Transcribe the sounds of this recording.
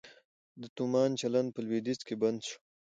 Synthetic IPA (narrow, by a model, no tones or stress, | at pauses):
d̪ət̪umɑːnt͡ʃaland̪̚pəlwed̪it͡skeband̪ʃu̥